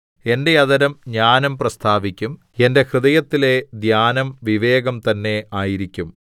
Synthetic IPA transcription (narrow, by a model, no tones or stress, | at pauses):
e̞nde̞jɐðɐɾɐmɲaːnɐmprɐst̪ʰaːʋikʲːum | e̞nde̞hrɨðɐjɐt̪ːile̞d̪jaːnɐmʋiʋe̞ːɡɐmt̪ɐnːe̞aːjiɾikʲːum